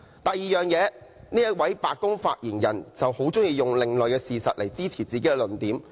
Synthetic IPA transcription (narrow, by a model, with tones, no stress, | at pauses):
t̪ɐ˨j̚jiː˨˧jœː˨ŋjɛː˨˧niː˥jɐ˥t̚wɐ˨˥jpaː˨˧t̚kʊ˥ŋfa̰ː˧t̚jiː˨˩njɐ̰˨˩nt͡sɐ˨who˨˥wt͡sʊ˥ŋjiː˨˧jʊ˨ŋlɪ˨˩ŋləː˨jkɛː˧siː˨sɐ̰˨t̚le˨˩jt͡siː˥t͡sʰiː˨˩t͡siː˨ke˨˦˥jɛː˧lɵ˨˩nt̪iː˨˥m